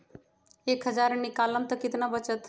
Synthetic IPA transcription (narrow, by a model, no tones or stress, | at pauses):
ekɦəd͡ʒaɾnikaləmt̪əkit̪nabət͡ʃət̪